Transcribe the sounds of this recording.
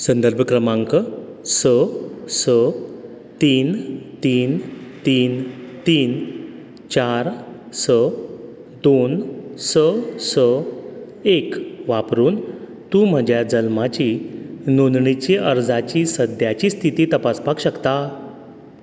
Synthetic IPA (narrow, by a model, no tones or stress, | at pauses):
sə̃nd̪əɾbʱəkɾəmãŋkəsəsə | t̪iːnt̪iːnt̪iːnt̪iːn | t͡ɕaɾ | sə | d̪onsəsə | ekʋapɾuːn | t̪ũm̤əd͡ʑjad͡zəlmat͡ɕinonɳit͡ɕiʔəɾd͡zat͡ɕiːsəd̪ʱjat͡ɕiːst̪ʰit̪iːt̪əpaspakɕəkt̪a